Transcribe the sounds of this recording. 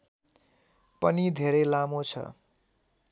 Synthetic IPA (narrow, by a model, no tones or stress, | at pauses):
pʌnid̪ʱeɾelamot͡sʰʌ̰